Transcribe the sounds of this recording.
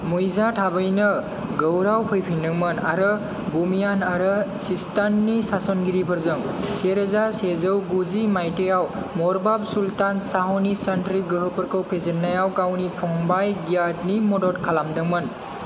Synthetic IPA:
mujzatʰabɯjnɯ | ɡəwɾawpʰɯjpʰindɯŋmɯna̰ɾɯ | bumijanaɾɯsistanːisasɔnɡiɾipʰɯɾzɯŋ | seɾezasezɯwɡuzimajtejaw | mɔɾbabsultansaɦɔnisantɾiɡɯɦɯpəɾkɯwpʰezenːajawɡawnipʰɔŋbajɡijatnimɔdɔtkʰalamdɯŋmɯn

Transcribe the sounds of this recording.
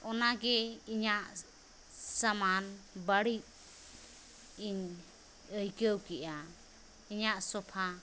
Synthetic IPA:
ɔnaɡɛiɲaʔ | samanbaɽiʔ̚ | iɲ | əjkəwkɛʔa | iɲaʔsɔpʰa

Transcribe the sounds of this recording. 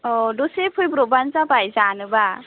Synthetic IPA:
ɔdɔsepʰɯjbɾɔbanzabajzanɯba

